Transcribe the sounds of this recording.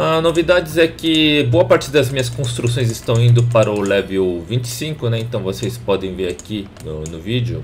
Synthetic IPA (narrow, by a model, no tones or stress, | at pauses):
anovid̪ad͡ʒɪzɛkɪboɐpaɾt͡ʃɪd̪ɐzmĩɲɐskõst̪ɾus̬õj̃zɪst̪ɐ̃w̃ĩnd̪ʊpaɾɐʊlɛvewvĩt͡ʃɪ̥sĩŋkʊnɛẽnt̪ɐ̃w̃vosejspɔd̪ẽj̃veɾaki | nʊnʊvid͡ʒɪʊ